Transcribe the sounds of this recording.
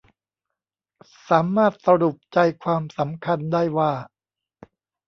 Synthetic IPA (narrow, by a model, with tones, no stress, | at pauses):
saː˩˦maː˥˩t̪̚sa˧ɾu˨˩p̚t͡ɕa˧jkʰwaː˧msa˩˦mkʰa˧ndaː˥˩jwaː˥˩